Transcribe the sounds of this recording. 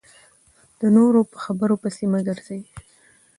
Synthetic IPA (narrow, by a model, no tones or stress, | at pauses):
d̪̥ənoɾopəxabəɾopəsimaɡəɾz̥e